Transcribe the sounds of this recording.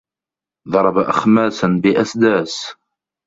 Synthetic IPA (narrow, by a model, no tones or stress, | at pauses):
ðˤɑɾˤɑbaʔaxmæːsənbɪʔæsd̪æːs